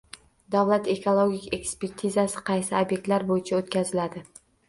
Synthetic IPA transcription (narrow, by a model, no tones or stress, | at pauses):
d̪avlat̪e̞kʰolˠoɡʲikʲe̞kspe̞ɾt̪ʰizasɪ̥qʰɑjsɪobjek̚ʲt̪laɾbojɪt͡ʃʰaot̪kʲazɪlad̪ɪ